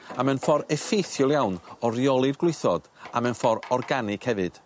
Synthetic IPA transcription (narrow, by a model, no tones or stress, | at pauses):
amɛnfɔɾɛfejθjʊlˠjawnɔrjɔlˠɪrɡlˠɪjθɔd̥amɛnfɔɾɔrɡanɪkhɛvɨd̥